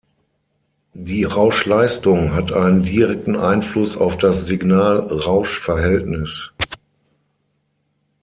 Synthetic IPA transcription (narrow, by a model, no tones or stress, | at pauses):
diːʁaʊʃlaɪstʊŋɦatʰʔaɪnəndiʁɛk̚tn̩ʔaɪnflʊsa̰ʊfd̥asz̥ɪɡnaːlʁaʊʃfɛɐɦɛltnɪs